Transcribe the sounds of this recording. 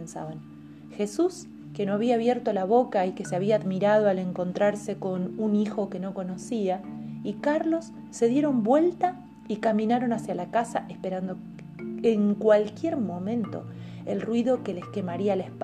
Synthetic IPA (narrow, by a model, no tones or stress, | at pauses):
nsa̰βaŋ | xe̞sus | ke̞no̞aβiaːβ̞jeɾt̪o̞laβ̞o̞kaike̞seaβ̞iaːðmiɾað̞oale̞ŋko̞nt̪ɾaɾse̞ko̞nunixo̞ke̞no̞ko̞no̞siaikaɾlo̞sː | e̞ðje̞ɾo̞mbwe̞lt̪a | ikamĩnaɾo̞nasjalakasaʔehspe̞ɾand̪o̞ | eŋkwalkje̞ɾmo̞mẽ̞nt̪o̞̰ | ḛlrwiðo̞ke̞leske̞maɾialaehp